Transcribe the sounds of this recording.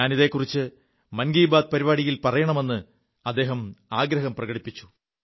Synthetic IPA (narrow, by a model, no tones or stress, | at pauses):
aːniðe̞ːkːurit͡ɕːɨ | mɐnɡiːbaːd̪̚pɐɾiβaːɽijilpɐrɐjɐɳɐme̞nːɨ | ɐd̪ːe̞ːɦɐmaːɡɾɐɦɐmprɐɣɐɽipːit͡ɕːu̥